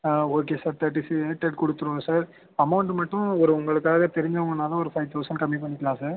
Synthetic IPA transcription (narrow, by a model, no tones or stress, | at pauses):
oːk̬eːsaːɾt̪ɐʈ̬ːisiʈɛʈ̚kɔɽɯt̪ːɯɾɯ̃saːɾ | ɐmɐʋʊɳʈmɐʈːʊ̃ɔɾɯʊŋɡɐɭɯkːaːɣɐt̪ɛɾɪɲd͡ʒɐʊŋɡɐnaːlɐɔɾɯfɐɪʋt̪ʰɐʊsɐɳɖkɐmːip̬ɐɳːɪkːlãːsaːɾ